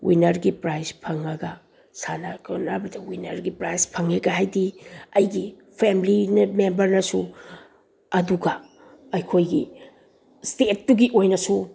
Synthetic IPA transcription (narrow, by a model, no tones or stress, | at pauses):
wʔinɐɾɡipɾajspʰɐŋɐɡɐ | sanakʰonabɐdɐwinɐɾɡipɾajspʰɐŋeɡɐɦajdiɐjɡi | pʰemlinɐmembɐɾnɐsu | ɐduɡɐ | ɐjkʰojɡi | stet̚ːuɡiʔojnɐsu